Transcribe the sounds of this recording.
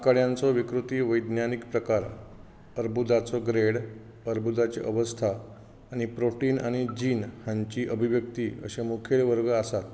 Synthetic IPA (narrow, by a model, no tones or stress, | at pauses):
kəɽjãnt͡sɔʋikɾut̪iːʋəjd̪njanikpɾəkaɾ | əɾbud̪at͡sɔɡɾeɽ | əɾbud̪at͡ɕḛʔəʋəst̪ʰaː | ɽ̃ipɾoʈiːna̰ɽ̃id͡ʑiːnhãɲt͡ɕiːʔəbʱiʋjək̚t̪iːə̰ɕemukʰeɭʋəɾɡəasat̪